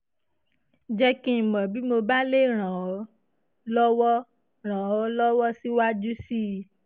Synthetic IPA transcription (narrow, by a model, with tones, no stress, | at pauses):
d͡ʒɛ˧kĩ˦˨mã˨bi˦mo˧ba˦le˦ɾ̃ã˨ɔ˨˦ | lɔ˦wɔ˦ | ɾ̃ã˨ɔ˨˦lɔ˦wɔ˦si˦wa˦d͡ʒu˦si˦˨